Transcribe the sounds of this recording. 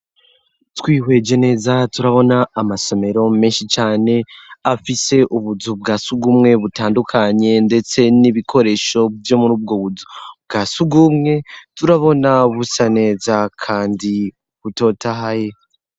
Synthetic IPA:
twiːhwe̞d͡ʒe̞ne̞ːzatuɾaβo̞naːmaso̞me̞ɾo̞meːnʃit͡ʃaːne̞afise̞ʔuβuzub̚ɡaːsuɡumŋe̞βutaːndukʰaɲe̞nde̞t͡se̞niβikʰo̞ɾe̞ːʃo̞jo̞muɾuːb̚ɡo̞βuzubɡaːsuɡumŋe̞tuɾaβo̞naβusane̞ːzakʰaːndi | βuto̞ːtahaje̞

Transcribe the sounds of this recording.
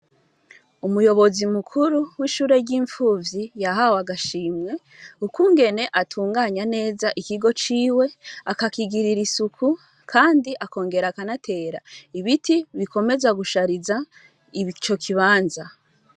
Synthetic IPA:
umujo̞βo̞zimukʰuɾuwiːʃuːɾe̞ɾɟiːɱfuːvjijaɦawaɡaʃiːmŋe̞ | ukuŋɡe̞ne̞ʔatʰuːŋɡaːɲane̞ːzaʔikiɡo̞t͡ʃiːwe̞akakiɡiɾiɾisukʰu | kʰaːndiʔako̞ːŋɡe̞ɾakanatʰe̞ːɾaiβitiβikʰo̞me̞zaɡuʃaɾiza | iit͡ʃo̞kʰiβaːnza

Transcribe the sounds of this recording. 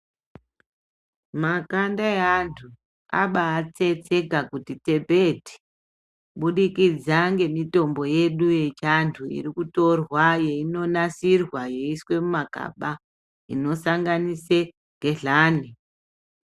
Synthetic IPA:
makandaantʰu | a̰ɓaːt͡se̞t͡se̞ɡʱakutite̞bʱeti̥ | ɓuɗikid͡zaŋɡe̞mito̞mbo̞je̞ɗuje̞t͡ʃantʰuḭrikuto̞rwaje̞ino̞nasirwaje̞iswe̞mumaka̰ɓa | ḭno̞saŋɡanise | ŋɡe̞ɮaːni

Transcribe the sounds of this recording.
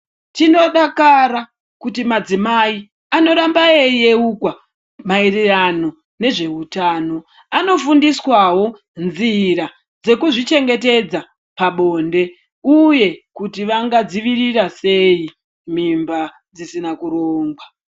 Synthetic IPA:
tino̞ɗakaɾa | kutimad͡zimai | ano̞ɗambaeje̞ukwa | mairirano̞ | ne̞ʐe̞utaːno̞ | ano̞fundiswawo̞ | nziɾa | d͡ze̞kuʐit͡ʃe̞ŋɡe̞te̞d͡za | paɓo̞nde̞ | uje̞kutiʋaŋɡad͡ziʋirirase̞i | m̤imba | d͡zisinakuɾoːŋɡwa

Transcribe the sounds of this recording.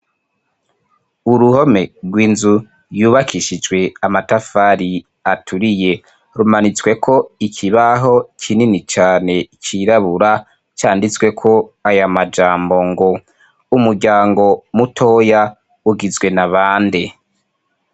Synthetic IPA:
uɾuho̞me̞ɾɡwiːnzu | juːβakʰiʃid͡ʒwe̞amatafaɾi | atʰuɾije̞ | ɾumanit͡swe̞kʰo̞ikʰiβaɦo̞kʰininit͡ʃaːne̞kʰiɾaβuɾa | t͡ʃaːndit͡swe̞kʰo̞ajamad͡ʒaːmbo̞ŋɡo | umuɾɟaːŋɡo̞mutʰo̞ja | uɡizɡwe̞naβaːnde

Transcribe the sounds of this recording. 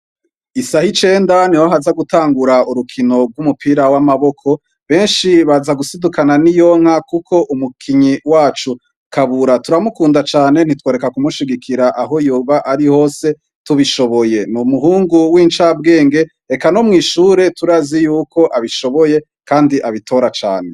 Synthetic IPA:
isahit͡ʃe̞ːndaniwaɦazaɡutaːŋɡuɾauɾukʰino̞b̚ɡwumupiɾawamaβo̞kʰo̞ | βe̞ːnʃiβazaɡusidukananijo̞ŋ̥hakukʰo̞ʔumukʰiɲiwaːt͡ʃu | kaβuɾatuɾamukuːndat͡ʃaːne̞n̥itwo̞ːɾe̞kakumuʃiɡikʰiɾaʔaɦo̞juːβaʔaɾiho̞ːse̞ | tuβiʃo̞βoje̞numuɦuːŋɡuwiːnt͡ʃabɡe̞ːŋɡe̞ | ekano̞mŋiːʃuːɾe̞tuɾazijuːkʰo̞ʔaβiʃo̞βo̞je̞ | kaːndiʔaβitʰo̞ɾat͡ʃa̰ːne̞̰

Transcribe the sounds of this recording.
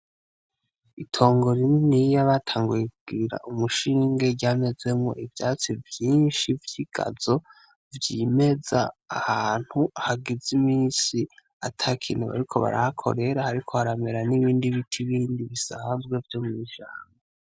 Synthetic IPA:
itʰo̞ːŋɡo̞ɾininijaβatʰaːŋɡujekuɡ̥iiɾa̰ʔumuʃiːŋɡeɟame̞ze̞mŋo̞̰ʔivjaːt͡sivjiːnʃivjiɡ̥a̰z̥o̞ | vjime̞za̰ːhaːn̥huahaɡizimiːsi | atʰakʰiːn̥huβa̰ɾikʰo̞βa̰ɾahakʰo̞̰ɾe̞ɾahaɾikʰo̞haɾame̞ɾaniβiːndiβitʰiβiːndiβisaːnzɡwe̞vjo̞mŋiʃaːŋa

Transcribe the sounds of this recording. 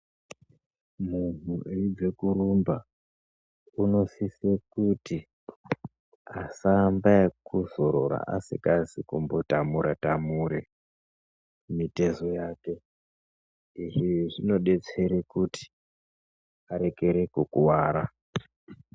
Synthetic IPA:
mun̤ueid͡ze̞kuɾumba | uno̞sisekuti | asambakuzo̞ɾo̞̰ɾa̰ʔa̰sḭkazikumbo̞tamuɾatamuːɾe | mite̞zo̞jaːke̞ | iʐiʐino̞ɗe̞t͡se̞ɾekuti̥ | aɾe̞ke̞ɾe̞kukuwaːɾa

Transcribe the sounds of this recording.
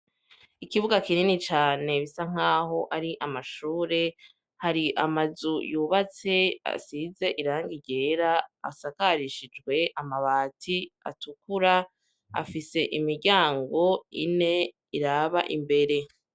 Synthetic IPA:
ikiβuɡakininit͡ʃaːne̞βisaŋ̥aːɦo̞ʔaɾiʔamaʃuːɾe̞ | haɾiʔamazujuːβat͡se̞a̰size̞ʔiɾaːŋɡiɟe̞ːɾa̰ːsakaɾiʃid͡ʒɡwe̞ʔamaβaːtʰia̰tukuɾa | a̰fise̞ʔimiɾɟaːŋɡo̞ḭne̞ | iɾaβa̰ʔimbe̞ɾe̞

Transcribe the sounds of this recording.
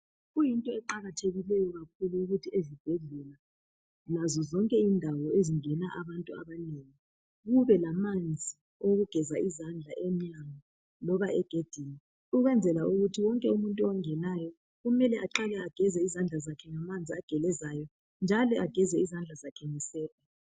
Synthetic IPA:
ɣujintʼɔɛǃaɣatʰeɣilɛjɔɣakʰuluːɣutʰiezib̥ʱeɮula | lazɔzɔŋkʼɛindʱawɔeziŋɛnaʔaβantʼua̰βaneŋi | ɣuβɛlamand͡zʱi | oɣuɡ̥ʱɛzaʔizand͡ɮʱaʔɛmɲaŋa | lɔβaɛɡ̥ʱed̥ʱiːni | uɣwɛnd͡zʱɛlaʔuɣutʰiwɔŋkʼɛumuntʼwaŋɛnajɔ | ɣumɛlɛʔaǃalɛaɡ̥ʱɛzɛizand͡ɮʱazakʰɛŋamand͡zʱiaɡ̥ʱɛlɛzajɔ | nd͡ʒʱalɔʔaɡ̥ʱɛzɛizand͡ɮʱazakʰɛŋisɛːla

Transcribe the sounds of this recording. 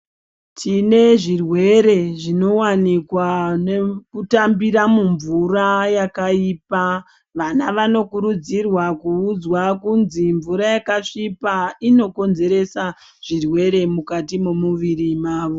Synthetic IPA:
tʰine̞ʐirwe̞ɾe̞ʐino̞wanikwanekutambiɾamuɱvurajakaiːpa | ʋanaʋano̞kuɾud͡zirwakuːd͡zwakunziɱvuɾajakaʂipaino̞ko̞nze̞ɾe̞sa | ʐ̥irwe̞ɾe̞mukatimumuʋiɾimaːʋo̞

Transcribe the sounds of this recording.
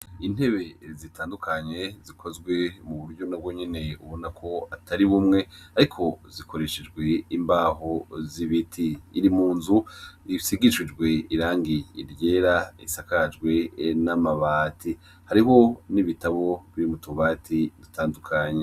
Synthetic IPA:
in̥he̞βe̞zitaːndukʰaɲe̞zikʰo̞zɡwe̞muβuɾɟo̞nab̚ɡo̞ɲe̞ne̞uβo̞nakʰo̞ataɾiβumŋe̞aɾikʰo̞ziko̞ɾe̞ʃed͡ʒɡwe̞imbaːɦoziβitʰiːɾimuːnzuisiɡiʃid͡ʒɡwe̞iɾaːŋɡiḭɾje̞ːɾaḭsakad͡ʒɡwe̞namaβatʰi | haɾiɦo̞niβitaβo̞βiɾimutuβaːtʰidutʰaːndukʰaɲe

